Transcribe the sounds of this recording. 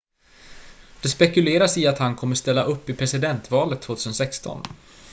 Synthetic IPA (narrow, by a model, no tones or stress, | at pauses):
d̪̥ɛspɛkɵleːɾasɪat̪hankʰɔmːəst̪ɛlːaʔɵpːɪpʰɾɛsɪd̪ɛnt̪vɑːlət̪ʰːv̥oːt̪ʰʉːsənsɛkst̪ɔ̰n